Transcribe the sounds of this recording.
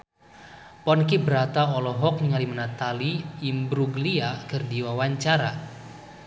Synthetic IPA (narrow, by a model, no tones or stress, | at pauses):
pɔnkibəɾat̪aɔlɔɦɔk̚niŋalimənat̪aliːmbɾuɡliakərdiwawaɲt͡ʃaɾa